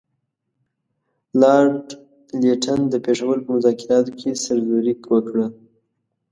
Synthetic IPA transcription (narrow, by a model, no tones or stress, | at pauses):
lɑɖ | leʈʰand̪əpeʂawəlpəmʊzɑkɪɾɑt̪okʰesaɾzuɾikwəkɽə